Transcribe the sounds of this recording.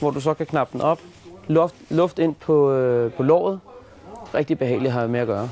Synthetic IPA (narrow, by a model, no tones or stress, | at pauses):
ʋɒd̥us̬ɒ̽kʰækʰnɑ̈b̥̚d̥n̩ɒ̽b̥lɔfd̥lɔ̽fd̥e̝n̰pʰɒ̽pʰɒ̽lɒ̰ːð̞̩ˠ | ʁɛɡ̥̚d̥ib̥e̝ɦɛ̰ːɪliɦɑ̈me̝ɐɡ̥ɶːɐ